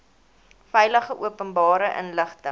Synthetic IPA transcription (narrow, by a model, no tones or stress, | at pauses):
fɛjləχəʔuəpənbɑːɾəʔə̰nləχtə